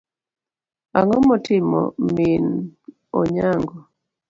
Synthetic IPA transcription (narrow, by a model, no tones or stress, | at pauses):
aŋɔmɔtɪmɔ̰min | ɔ̰ɲaŋɡɔ